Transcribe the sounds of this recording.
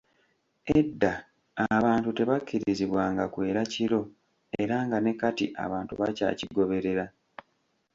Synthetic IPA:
edːaː | βaːntute̞βakʰːiɾiziβwaːŋɡakwe̞ːɾaciɾo̞ | e̞ɾaŋɡane̞katiʔa̰βaːntṵβaca̰ːciɡo̞βe̞ɾe̞ɾa

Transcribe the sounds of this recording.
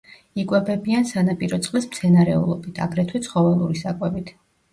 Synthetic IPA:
ikʼwɛbɛbiansanapʼiɾɔt̪sʼqʼlɛsmt̪sʰɛnaɾɛṵlˠɔbit̪ʰa̰ɡɾɛt̪ʰwɛt̪sʰχɔvɛlˠuɾisakʼwɛbit̪ʰ

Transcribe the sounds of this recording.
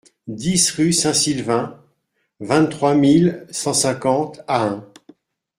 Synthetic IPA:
d̪isʁysɛ̃silvɛ̃ | vɛ̃t̪t̪χwamilsɑ̃sɛ̃kɑ̃t̪aɛ̃

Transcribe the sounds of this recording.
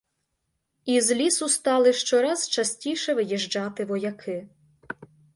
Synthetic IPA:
izlʲisʊst̪ɑlˠɪʃt͡ʃɔɾɑz̥t͡ʃɐsʲtʲiʃɛʋɪjiʒd͡ʒɑt̪ɪʋɔjɐkʰɪ

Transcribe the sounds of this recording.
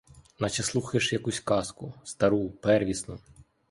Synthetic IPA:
nɐt͡ʃɛslˠuxɐʃjɐkusʲkɑskʊst̪ɐɾupɛrʋʲisnʊ

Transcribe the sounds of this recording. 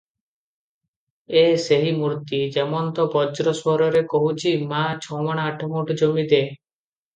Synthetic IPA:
eseɦimuɾt̪id͡ʒemɔnt̪ɔbɔd͡ʒɾɔswɔɾɔɾekɔɦut͡ʃʰimat͡ʃʰɔwmaɽ̃aːʈʰɔmoʈɔd͡ʒomid̪e

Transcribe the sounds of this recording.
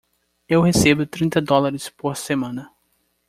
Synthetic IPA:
ewhesebʊt̪ɾĩnt̪ɐd̪ɔlaɾɪspoɾsemɐ̃nɐ

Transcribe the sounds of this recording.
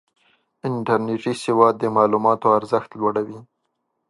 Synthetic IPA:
ɪɳʈaɾneʈisɪwɑd̪̚ːəmɑlumɑt̪oaɾzəxt̪lwaɽawi

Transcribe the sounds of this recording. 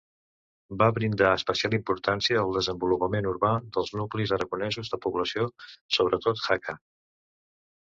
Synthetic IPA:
baβɾind̪aəspəsialˠimpuɾt̪ansiəəlˠd̪əzəmbulupəmenuɾβad̪əlˠznuklizəɾəɣunɛzuzðəpuβləsiosoβ̞ɾət̪ot̪xakʰa

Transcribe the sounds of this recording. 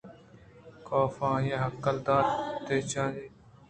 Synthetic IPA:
koːfãːjẽːɦəkːəld̪aːɾt̪eːt͡ʃãːd͡ʒiː

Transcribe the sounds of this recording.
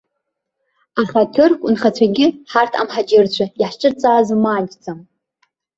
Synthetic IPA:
aχatʰɨrkʷʼunχat͡ɕʷʰaɡʲɪħartʰa̰mħad͡ʒɪrt͡ɕʷʰaiħʃʈ͡ʂʼɨrt͡sʼaːzmaːd͡ʒt͡sʼam

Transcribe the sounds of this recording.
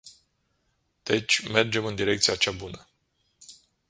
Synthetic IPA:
d̪̥e̞t͡ʃʲme̞rd͡ʒe̞mɨnd̪iɾe̞k̚t̪sijat͡ʃabunə

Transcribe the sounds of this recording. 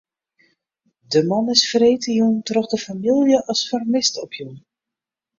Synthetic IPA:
dəmɑnɪsfreːtəjuntrɔχdəfamilˠjəʔɑsfarmɪstɔpʰjun

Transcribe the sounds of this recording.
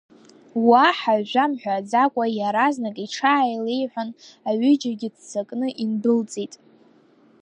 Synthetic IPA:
waħaʒʷᶣamħʷᶣad͡zakʷʼajaɾaznakʼiʈ͡ʂʰaːjle̞jħʷᶣanaɥʏd͡ʒaɡʲɪdt͡sakʼnɨʔinbɨlt͡sʼitʼ

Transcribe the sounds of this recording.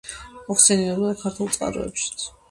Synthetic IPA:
mɔχsɛniɛbɔd̪akʰaɾt̪ʰulˠt̪sʼqʼa̰ɾɔ̰ɛ̰pʃi̥t̪sʰ

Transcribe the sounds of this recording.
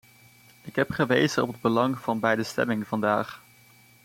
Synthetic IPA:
ɪkɦɛpχəʋejzənɔpɦəd̚bəlɑŋv̥ɑnbɛjdəstɛ̰mɪŋvɑndaːχ

